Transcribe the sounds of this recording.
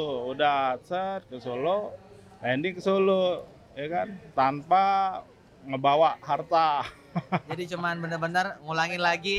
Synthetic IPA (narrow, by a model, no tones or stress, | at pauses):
ʊudasət̪̚kəsolo | ɛndɪŋkəsolo | jakant̪ampa | ŋəbawaʔhart̪a | d͡ʒadit͡ʃəmanbənərbənərŋulaŋɪnlaɡi